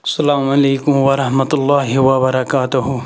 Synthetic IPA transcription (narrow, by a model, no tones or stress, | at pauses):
sɐlaːmɐleːkʊmwɐɾɐɦmɐt̪ʊlːaːɦɪwɐbɐɾɐkaːt̪ʊɦʊ